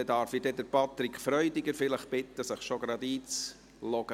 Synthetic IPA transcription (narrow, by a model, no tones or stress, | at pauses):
ɛdɑːɾfidɛdəɾpɑt̪ɾikχfɾœʏdɪɡəɾfɪləχb̥ɪt̪ːəsəχʃoɡɾɑd̪iːt͡s | lɔɡ̥ə